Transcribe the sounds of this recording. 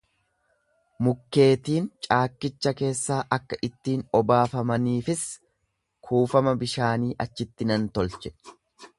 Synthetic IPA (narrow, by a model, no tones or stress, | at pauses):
mʊkːe̞ːt̪iːnt͡ʃʼaːkːɪt͡ʃːɐke̞ːsːaːʔɐkːɐʔɪt̪ːiːnɔbaːfɐmɐniːfɪs | kʰuːfɐmɐbɪʃaːniːʔɐt͡ʃːɪt̪ːɪnɐnt̪ɔlt͡ʃɛ̥